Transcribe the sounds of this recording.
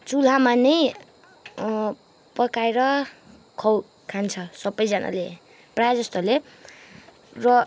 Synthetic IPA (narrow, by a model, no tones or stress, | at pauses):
t͡sul̤amanʌj | pʌkajɾʌ | kʰʌw | kʰant͡sʰʌsʌbʌjd͡zʌnʔa̰le | prajad͡zʌst̪ole | rʌ